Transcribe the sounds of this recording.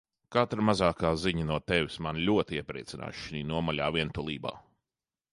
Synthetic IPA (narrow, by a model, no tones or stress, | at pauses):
kat̪ɾmazaːkaːziɲɐnuɔt̪ɛʋʲismanlʲuɔt̪iiɛpɾɛ̰ːt̪sina̰ːʃʃiniːnuɔmalʲaːviɛnt̪ulˠḭːba̰ː